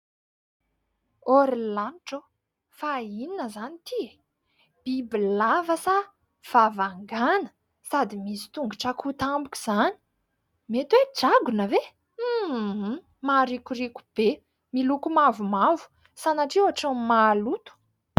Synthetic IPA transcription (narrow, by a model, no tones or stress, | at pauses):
oɾilanʈ͡ʂo | faininəzanit̪ie | b̥ibilavəsa | v̥avaŋɡanə̥ | sad̪imisi̥t̪uŋɡuʈ͡ʂakʰut̪ambukʲi̥z̥ani̥ | met̪wed͡ʒaɡunəve | maɾikuɾikʲu̥b̥e | milukumavumavu̥ | sanaʈ͡ʂiwaʈ͡ʂamalut̪u̥